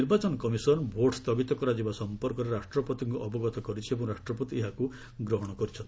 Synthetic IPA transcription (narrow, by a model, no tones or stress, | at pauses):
niɾbat͡ʃɔnɔkɔmisɔnbʱoʈst̪ɔɡit̪ɔkɔɾad͡ʒibasɔmpɔɾkɔɾeɾasʈɾɔpɔt̪iŋkuʔɔbɔɡɔt̪ɔkɔɾit͡ʃʰiebɔ̃ɾaʃʈɾɔpɔt̪ieɦaku | ɡɾɔɦɔɽ̃ɔkɔɾit͡ʃʰɔnt̪